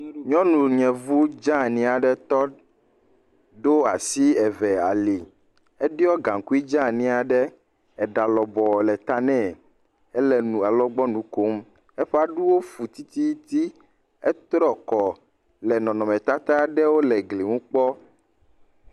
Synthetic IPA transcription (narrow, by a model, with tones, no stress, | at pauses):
ɲɔ̃˦nũ˨ɲɛ̃˨vu˦d͡ʒã˦nĩ˦a˨ɖɛ˦t̪ɔ˦ | ɖo˦a˨si˦ɛ˨vɛ˨a˨li˨ | ɛ˦ɖi˦ɔ˦ɡã˨ŋku˦i˦d͡ʒã˦nĩ˦a˨ɖɛ˦ | ɛ˨ɖa˨lɔ˨bɔ˨lɛ˨t̪a˦nɛ̃˦ | ɛ˦lɛ˨nũ˨a˨lɔ˦ɡ͡bɔ˦nũ˨ko˦m | ɛ˦ɸɛ˦a˨ɖu˦wo˦fu˨t̪i˦t̪i˦t̪i˦ | ɛ˦t̪ɾɔ˦kɔ˨ | lɛ˨nɔ̃˨nɔ̃˨mɛ̃˨t̪a˦t̪a˦ɖɛ˦wo˦lɛ˨ɡle˨ŋũ˦k͡pɔ˦